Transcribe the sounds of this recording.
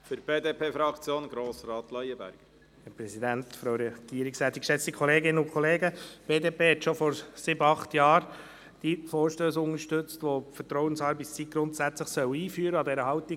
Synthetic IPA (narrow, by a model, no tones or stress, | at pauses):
fʏɾb̥eːd̪eːpʰeːfɾɑkt͡sjoːnɡɾoːsɾɑːt̪lœjəbæ̰ɾɡ̥ | hɛpɾɛsid̪æntfɾoʊɾɛɡ̥iːəɾiksɛːt̪ːikʃɛt͡stikʰɔleːɡɪnəʊkʰχɔleːɡəb̥eːdeːpʰeːhɛtʃofɔɾsɪbəɑχt̪jɑːɾ | d̥ifoːɾʃtøːsʊnəɾʃtʏt͡stʋofətɾɔʊwənsɑɾbist͡sit̚ɡ̥ɾʊntsæt͡sləχsœwiːfyːɾəɑdɛɾəɦɑwt̪i